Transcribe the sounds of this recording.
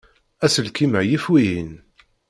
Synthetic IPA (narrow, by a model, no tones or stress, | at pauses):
æsəlkiməʕjifwijin